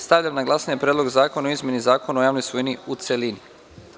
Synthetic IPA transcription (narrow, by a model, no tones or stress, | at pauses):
st̪aʋʎʲamnaɡlˠaːsaɲepɾʲed̪lo̞ɡzaːko̞naoizmʲje̞nizaːko̞naojaːʋnojsʋoiniut̪selini